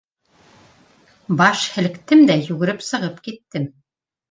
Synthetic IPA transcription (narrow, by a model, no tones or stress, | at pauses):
bɑʃhɘ̆lɘ̆kt̪ɘmd̪æjʉɡɘ̆ɾɘpsɤ̆ʁɤpkit̪ːɘm